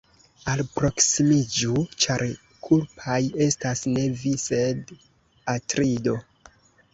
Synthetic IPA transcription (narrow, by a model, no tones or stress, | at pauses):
alpɾo̞ksimid͡ʒut͡ʃaɾ | kʰulpʰaje̞stasne̞vise̞d | atɾido̞